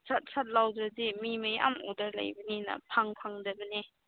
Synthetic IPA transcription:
sʰat̚sʰat̚lawdɾadimimaja̰mo̰dɐɾla̰jbɐninɐ̰pʰaŋpʰaŋdɐbɐne

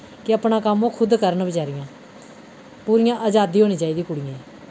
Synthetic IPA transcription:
kɪəpɳaːkəmõːkʰʊd̪kəɾnbət͡ʃaːɾɪjãː | puːɾɪjãːʔaːd͡ʒaːd̪iːɦoːñiːt͡ʃaːiːd̪iːkʊɽɪjẽː

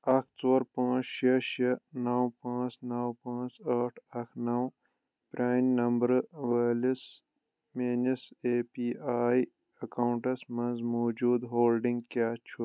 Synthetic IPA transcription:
ɐkʰt͡soːɾpãːt͡ʃʃɐʃɐnɐwpãːt͡ʃnɐwpãːt͡ʃɐʈʰɐkʰnɐw | pɾʲaːnnɐmbɾʋɐːlis | meːniseːpiːaːj | ɐkɐwɳʈɐsmɐnzmoːd͡ʒuːd̪ɦoːlɖĩŋɡkaːt͡ʃʰu

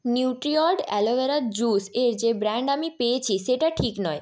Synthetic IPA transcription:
njuwʈɾiɔɾɖɛloʋeɾaɾd͡ʑuseɾd͡ʑebɾaɳɖamipeet͡ɕʰiʃeʈaʈʰiknɔj

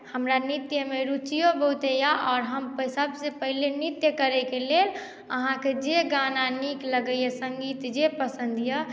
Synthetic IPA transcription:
həmɾanit̪jəmeɾut͡ʃijobəɦut̪ejaʔɔːɾɦəmpsəbsepəɦilenit̪jəkəɾɛkelel | əɦãked͡ʒeɡananikləɡəjəsə̃ŋɡiːt̪d͡ʒepəsənd̪ʱjə

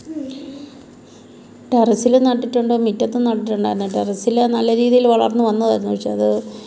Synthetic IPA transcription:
ɖerɐsilnɐʈːiʈːuɳɖɨmitːɐt̪ːenɐʈːiʈːuɳɖaːiɾunːɨɖɐrɐsilenɐlːɐɾiːðijilʋɐɭɐ̰rnːɨʋɐnːɐða̰ːɾunːuʋɐʂeɐðɨ

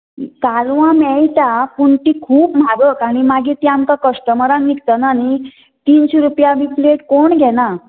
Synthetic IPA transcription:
kalʋãmɛjt̪apuɳʈiːkʰuːpmaɡəkaɽ̃imaɡiːt̪iamkakəsʈəməɾãnnikt̪anani | t̪iːnɕeɾupjaʋipleʈkoɳɡʱɛna

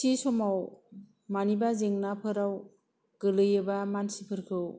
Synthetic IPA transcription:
sisɔmaw | manibazeŋnapʰɯɾaw | ɡ̥ɯlɯjɯbamansipʰɯɾkʰɯw

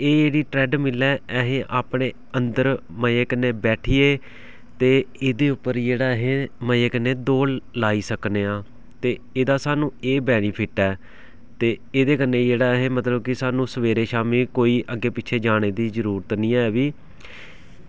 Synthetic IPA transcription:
eːd͡ʒeːɽiːʈɾɛːɖmɪlːɛːɛɦẽːʔaːpɳeː | ənd̪əɾ | məeːkənːeːbɛːʈʰiːeː | t̪eːɪd̪eːʊpːəɾd͡ʒeːɽaːɦẽːməeːkənːeːd̪oːllaːiːsəkneːãː | t̪eː | ɪd̪aːsaːnũːeːbɛːniːpʰɪʈɛː | t̪eːeːd̪eːkənːẽːd͡ʒeːɽaːɛɦẽːmət̪ləb̚kɪsaːnũːsəʋeːɾeːʃaːmiːkoːiːʔəɡeːpɪtːt͡ʃʰeːd͡ʒaːɽ̃eːd̪iːzəɾuːɾət̪nĩːɛːʋiː

